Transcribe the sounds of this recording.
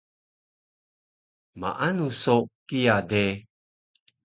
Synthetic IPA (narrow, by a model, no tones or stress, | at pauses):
ma̰ʔanusokijade